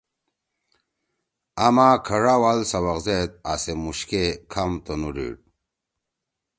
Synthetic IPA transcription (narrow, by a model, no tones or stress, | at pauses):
amakʰɐʐawalsɐwɐqzet̪̚asemuɕkekʰamt̪onuɖḭɽ